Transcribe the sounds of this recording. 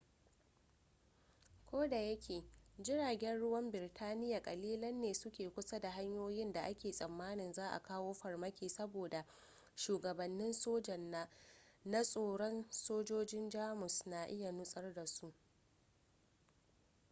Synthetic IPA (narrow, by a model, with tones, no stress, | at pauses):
kʷoː˦da˨jɐ˦kʲʰeː˨d͡ʒɪ˦ɽaː˨ɡʲɛ˦nɽʊ˦wɐ˦mbɪ˨rtʰaː˦nɪ˦ja˨kʼɐ˨liː˦lɐ˦nːeː˨sʊ˦kʲeː˨kʷʊ˦sa˦da˨ɦa˦ɲjoː˦jɪ˦nda˨ʔa˦kʲeː˨sʼɐ˨mːaː˦nɪ˨nzaː˦ʔa̰˨kaː˦woː˦ɸɐ˨rmɐ˦kʲeː˨sɐ˦boː˨da˨ | ʃuː˨ɡɐ˨bɐ˨nːɪ˦nsoː˦d͡ʒɐ˨nːaː˦na˦sʼoː˨ɽɔ˦nsoː˦d͡ʒoː˦d͡ʒɪ˦nd͡ʒaː˦mʊ˨sna˨ʔɪ˦ja˨nʊ˦sʼɐ˦rda˨su˦ʔ